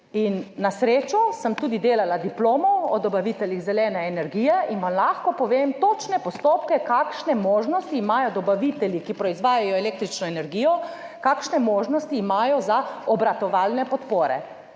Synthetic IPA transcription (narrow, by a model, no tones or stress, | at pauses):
inːasɾeːt͡ʃɔsəmt̪uːd̪id̪eːlalad̪iploːmɔɔd̪ɔbaʋit̪ɛljiɣzɛlɛːnɛːnɛɾɡijɛʔinʋamlaxkɔpɔʋeːmt̪oːt͡ʃnɛpɔst̪oːpkɛkaːkʃnɛmoːʒnɔst̪iːmajɔd̪ɔbaʋit̪ɛljikipɾɔizʋaːjajɔɛleːk̚t̪ɾit͡ʃnɔɛnɛɾɡijɔ | kaːkʃnɛmoːʒnɔst̪iːmaːjɔzaɔbɾat̪ɔʋaːlnɛpɔt̪poːɾɛ̰